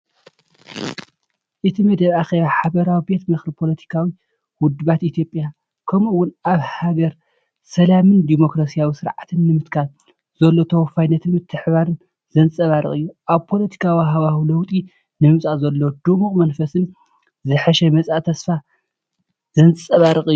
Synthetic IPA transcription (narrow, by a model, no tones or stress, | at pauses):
ʔɨt̪ʰimɐd̪ɐβaxe̞βaħaβɐɾawibe̞t̪mɨxɾipʰo̞lɐt̪ʰi̥kʰawi | wʊd̪βat̪it̪ʰjo̞pʼja | kʰɐmɨwːʊnaβhaɡɐɾ | sɐlamɨnd̪imo̞kɾasijawisɨɾʕat̪ʰɨnːɨmɨt̪kʰal | z̥ɐlːo̞t̪ʰɐwɔfajnːɐt̪ʰɨnmɨt̪ʰːɨħβaɾɨn | zɐnt͡sʼɐβaɾɨ̰ɨjːuʔaβpʰo̞lɐt̪ʰi̥kʰawiɦaβahulɐwt̪ʼi | nɨmɨsʼazɐlːod̪umuχʼmɐnfɐsɨn | zɨħɐʃɛmɐt͡sʼat̪ʰɐsfa | zɐnt͡sʼɐβaɾɨkʼɨjːu